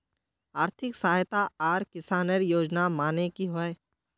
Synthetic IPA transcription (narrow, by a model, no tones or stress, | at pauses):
aːɾt̪ʰɪksaːɦjt̪aaːɾkɪsaːnəɾjoːd͡ʒnamaːnekiɦoe